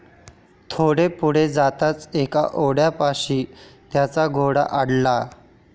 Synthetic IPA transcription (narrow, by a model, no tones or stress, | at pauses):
t̪ʰoɽepuɽ̤ed͡zat̪at͡seka̰ʔoɽjapaɕiːt̪jat͡saɡʱoɽa̰ʔaɽla